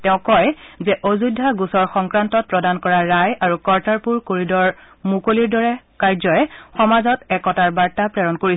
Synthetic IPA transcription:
tɛʊ̃kɔjzɛʔozujdʱːaɡusɔɹxɔŋkɹantɔt̚pɹɔdankɔɹaɹajaɹukɔɹtaɹpuɹkoɹidɔɹ | mukoliɹdɔɹɛ | kaɹzɔjɛxɔmazɔtɛkɔtaɹbaɹtapɹɛɹɔnkoɹi

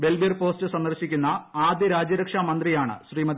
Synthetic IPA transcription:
be̞lbirpo̞ːstɨsɐnd̪ɐrɕikʲːunːɐaːd̪jɐɾaːd͡ʑjɐɾɐkʂamɐnd̪rijaːɳɨ̰ɕriːmɐd̪i

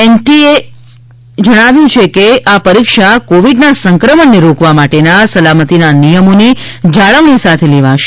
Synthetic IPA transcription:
ɛnʈie | d͡ʒəɽ̃aʋjũt͡ʃʰekeʔapəɾikʃakoʋiɖnasəŋkɾəmənːeɾokʋamaʈenasəlamət̪inanijəmonid͡ʒaɭəʋnisat̪ʰeleʋaʃe

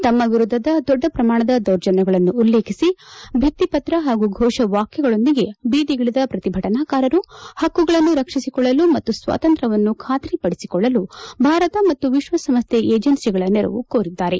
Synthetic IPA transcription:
t̪ɐmːɐʋiɾud̪ʱːɐd̪ɐd̪ɔɖːɐpɾɐmaːɳ̃ɐd̪ɐd̪ɐɾd͡ʒɐnɛɡɐɭɐnːuːlːeːkʰisibʱit̪ːipɐt̪ɾɐɦaːɡuɡʱɔːʃɐʋaːkjɐɡɐɭo̞nd̪iɡe̞biːd̪iɡɐɭid̪ɐpɾɐt̪ibʱɐʈɐnaːkaːɾɐɾuhɐkːuɡɐɭɐnːuɾɐkʂisikɔɭːɐlumɐt̪ːusʋa̰ːt̪ɐnt̪ɾɐʋɐnːukʰaːt̪ɾipɐɽisikɔɭːɐlubʱaːɾɐt̪ɐmɐt̪ːuʋiʃʋɐsɐmst̪jeʔeːd͡ʒɐnsiɡɐɭɐnɛɾɐ̰ʋṵkoːɾid̪ːaːɾe̞

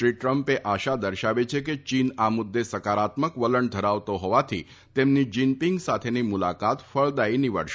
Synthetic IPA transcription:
ʃɾiʈɾəmpeʔaʃad̪əɾʃaʋet͡ʃʰeket͡ʃinamud̪ːesəkaɾat̪məkʋələɳd̪ʱəɾaʋt̪oɦɔʋat̪ʰi | t̪emnid͡ʒimpiŋɡsat̪ʰenimulakat̪fəɭd̪ainiʋə̰ɽʃe

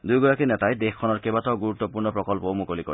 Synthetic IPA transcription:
d̪ujɡɔɹakinɛtajd̪exkʰːɔnɔɹkebat̪ɔɡuɾut̪ːɔpuɹnɔpɹɔkɔlpɔwmukoliko̰

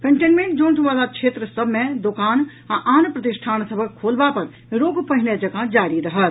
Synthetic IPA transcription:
kə̃ɳʈeːnmẽɳʈd͡ʒoːnʈ̪ʰumaːlakʃʰeːt̪ɾəsəbʱmẽd̪okaːn | aʔaːnpɾɐt̪ɪʃʈʰaːnsəbʱəkkʰoːlbapɐɾ | ɾoːɡpəɦɪned͡ʒɐɡad͡ʒaːɾiɾɐɦət̪

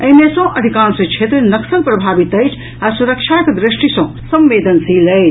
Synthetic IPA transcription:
əɦmesõʔəd̪ʱikãːnsə̃t͡ʃʰet̪ɾnəksənpɾəbʱabit̪əjt͡ʃʰ | asuɾəkt͡ʃʰakd̪ɾisʈisə̃ | səmːed̪ənsiləjt͡ʃʰ

